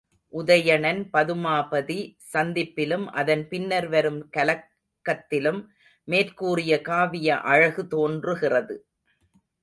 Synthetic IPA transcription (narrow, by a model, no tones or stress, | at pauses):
ʔʊðɐjɐɳɐnpɐðɯmaːpɐðisɐnd̪ɪpːɪlɯmʔɐðɐnpɪnːɐɾʋɐɾɯmkɐlɐkː | ɐt̪ːɪlɯmː | eːrkuːrɪjɐkaːʋɪjɐʔɐɻɐɣɯt̪oːndrɯɣɪrɐðɯ